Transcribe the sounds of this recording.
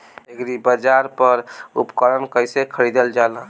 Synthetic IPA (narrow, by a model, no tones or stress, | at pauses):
ekɾibəd͡ʒaɾpəɾṵpkəɾənkəjsekʰəɾid̪əld͡ʒalə̃